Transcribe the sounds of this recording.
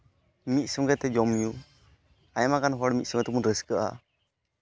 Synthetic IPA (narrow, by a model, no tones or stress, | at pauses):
mit̪̚ˀsɔŋɡɛt̪ɛd͡ʒɔmju | ajamakanɦɔɽmit̪̚sɔŋɡɛt̪ɛmunɾəskəʔa̰